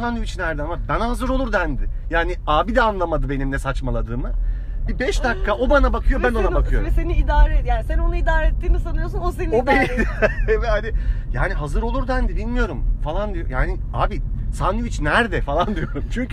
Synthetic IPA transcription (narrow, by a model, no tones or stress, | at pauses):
sanuvit͡ʃnæɾd̪ɛnakbanaɦazɯɾo̞lˠuɾd̪ænd̪ɪjaːniaːbid̪ɛanlˠamad̪ɯbe̞nimlʲɛsat͡ʃmalˠad̪ɯːmɯ | bibɛʃd̪akːaʔo̞banabakʰɯjo̞bæno̞nabakʰɯjo̞ɾseniːd̪aːɾɛjaːnisænonuid̪aːɾɛet̪ːiːnisanɯjosunosenobeievɛhanɪja̰ːniɦazɯɾolˠuɾd̪ænd̪ibilʲmijo̞ɾumfalˠand̪ijo̰jaːniaːbisanuvit͡ʃnæɾd̪ɛfalˠand̪ijo̞ɾumt͡ʃʰyɲcʰ